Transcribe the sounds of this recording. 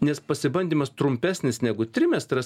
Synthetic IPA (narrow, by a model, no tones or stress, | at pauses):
nʲɛspɐsʲɪbɐnʲd̪ʲiːmɐst̪ɾʊmʲpʲæːsʲnʲɪsnʲæɡʊt̪ʲɾʲɪmʲɛst̪ɾɐs